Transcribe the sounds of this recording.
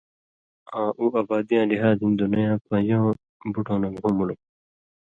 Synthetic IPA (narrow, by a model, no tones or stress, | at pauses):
ãːʔuːʔaːbaːd̪ijãːliɦaːzɦĩnd̪unɐjãːpɐ̃jõː | buʈõːnɐɡɦũmulu